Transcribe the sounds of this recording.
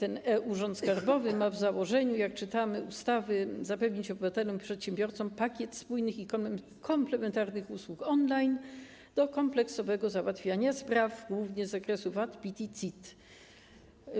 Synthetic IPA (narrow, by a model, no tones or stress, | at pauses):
t̪ɛnɛʔuʐɔnt̪skaɾbɔvɘmavzawɔʐɛɲujak̚t͡ʂɘt̪amɘʔust̪avɘzapɛvɲit͡ɕɔbɘvat̪ɛlɔmpʂɛt̪ɕɛmbʲjɔɾt̪sɔmpakʲjɛt̪spujnɘxik | kʰɔmplɛmɛnt̪aɾnɘxuswukɔnlajn | d̪̥ɔkɔmplɛksɔvɛɡɔzawat̪fʲjaɲaspɾavɡwuvɲɛzːakɾɛsuvat̪pʲit̪ʲit̪sʲit̪